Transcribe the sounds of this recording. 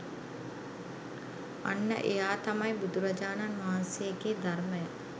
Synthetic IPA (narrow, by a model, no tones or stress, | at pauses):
a̰nːə̰ʔejaːt̪amajbud̪uɾad͡ʒaːnanʋaɦansejəɡeːd̪arməja